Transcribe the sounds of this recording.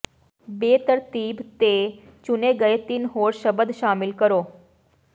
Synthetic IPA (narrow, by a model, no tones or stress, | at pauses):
bet̪əɾt̪iːbt̪e | t͡ɕuneɡəet̪iːnɦoːɽɕəbəd̪ɕamilkəɾo